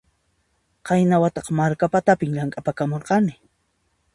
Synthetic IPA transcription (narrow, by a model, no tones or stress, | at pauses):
qɑjnawat̪ɑqmaɾkapat̪apɪŋʎaŋkʼapakamoɾqɑnɪ